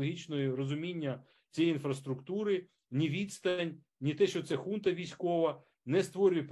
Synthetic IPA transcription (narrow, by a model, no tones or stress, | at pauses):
ɔɦʲit͡ʃnɔjiɾɔzʊmʲinʲːɐ | t͡sʲijinfɾɐst̪ɾʊkt̪uɾɪ | nʲiʋʲid̪st̪ɐnʲ | nʲit̪ɛʃt͡ʃɔt̪sɛxunt̪ɐʋʲijsʲkɔʋɐ | nɛst̪ʋɔɾʲʊjɛp